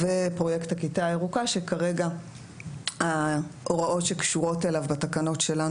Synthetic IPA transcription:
vepʁo̞jekthakitaeʁukaʃekaʁe̞ɡa | haʔo̞ʁaʔo̞tʃekʃuʁo̞telavbatakano̞tʃela

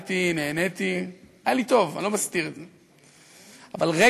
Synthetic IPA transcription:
t̪ine̞ːne̞t̪iajalit̪o̞va̰lo̞mast̪iʁedze | avalʁe

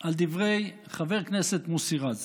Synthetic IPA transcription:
ʔald̪ivʁej | χaveʁkneset̪musiʁaz

